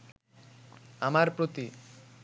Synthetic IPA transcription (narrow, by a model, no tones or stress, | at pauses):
amaɾpɾot̪i